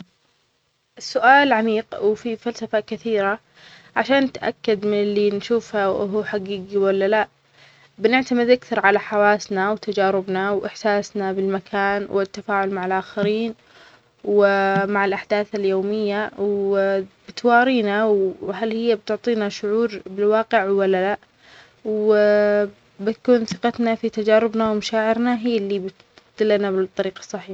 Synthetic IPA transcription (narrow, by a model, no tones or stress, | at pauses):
ʔɪsːʊʔaːlʕamiːqwfifalsafakɪθiːɾa | ʕaʃaːnt̪ʔa̰kːad̪mɪnɪlːinʃuːfhaʔɦuħaɡiːɡiwalːalaʔ | bɪnɪʕt̪amɪd̪ʔakθɑɾˤʕalaħawaːsnawt̪ad͡ʒaːɾɪbnawʔɪħsaːsnabɪlmakʰaːnwʔɪt̪ːafaːʕʊlmaʕalʔaːxaɾiːn | wɪmaʕɪlʔaħd̪aːθaljoːmɪjːaw | bɪt̪wɑːɾiːnawɦalhɪjːab̚t̪ʊʕt̪ˤiːnaʃʊʕuːɾbɪlwɑːqɪʕwalːala | w | bɪt̪akuːnθɪqɑt̪nafit̪ad͡ʒaːɾɪbnawmaʃaːʕɪɾnaɦiːlːibɪt̪ | d̪ɪlːanabt̪ˤːɑɾiːqɑ̥sˤːɑħiːħ